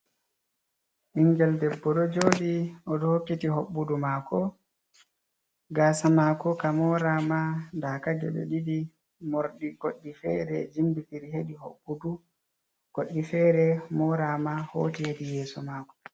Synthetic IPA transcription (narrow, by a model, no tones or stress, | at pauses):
ʔiŋɡɛldɛbːɔɗɔd͡ʒoːɗiʔɔɗɔhokːitiɦoɓːudumakɔ | ɡaːsamakɔkamɔɾamandakad͡ʒɛ̰ɗɔ̰ɗidi | moɾɗiɡoɗːifɛ̰ɾɛd͡ʒimbifiɾiheɗihoɓːudu | ɡ̥oɗːifɛɾɛmɔɾamaho̰ːtihedijɛːsɔmaːkɔ̥